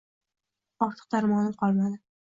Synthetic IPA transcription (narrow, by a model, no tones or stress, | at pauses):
ɒɾt̪ʰɨ̥q̚d̪aɾmɒnɪmqʰɒlˠmad̪ɪ